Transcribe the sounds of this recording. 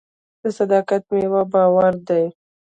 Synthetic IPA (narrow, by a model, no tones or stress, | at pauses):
d̪̥əsad̪ɑkat̪mewabɑwaɾd̪aj